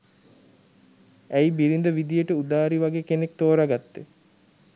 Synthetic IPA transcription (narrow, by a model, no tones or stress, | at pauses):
æjbiɾind̪əʋid̪ijəʈəud̪aːɾiʋaɡeːkenek̚t̪oːɾaɡat̪ːe